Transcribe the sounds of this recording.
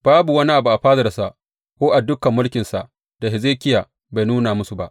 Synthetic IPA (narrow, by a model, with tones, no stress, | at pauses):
b̥aː˦bu˨wɐ˦ni˦ʔa˨bu˨ʔa˨ɸaː˦zɐ˨da˨sa˦ʔ | kʷoː˦ʔa˨dʊ˦kɐ˨mːʊ˦lkʲɪ˨nsa̰˨ʔ | d̥a˨ɦɪ˨zeː˦kʲɪ˦jaː˨ | ba˨jnuː˦na˨mʊ˦su˨ba˦ʔ